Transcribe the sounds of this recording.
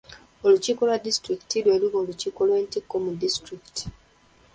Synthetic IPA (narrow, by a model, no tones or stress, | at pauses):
olucikolwadistɾiki̥tilwelikoːlucikolweːntikːomudistɾikti̥